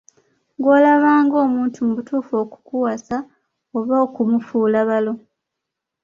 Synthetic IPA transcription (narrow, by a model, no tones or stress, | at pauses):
ŋɡo̞ːlaβaːŋɡo̞ːmuːntʰumuβutuːfo̞ːku̥kuwasa | oβoːkumufuːlaβalo̞